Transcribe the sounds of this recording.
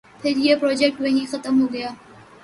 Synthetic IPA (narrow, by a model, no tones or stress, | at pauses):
pʰɪɾjeːpɾoːd͡ʒɛk̚ʈʋɐ̃ɦĩːxət̪əmɦoːɡəjaː